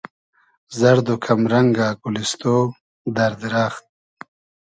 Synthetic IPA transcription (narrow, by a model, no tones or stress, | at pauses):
zɐɾd̪okʰamɾaŋɡaːkulist̪oː | d̪ɐɾd̪iɾaːxt̪̚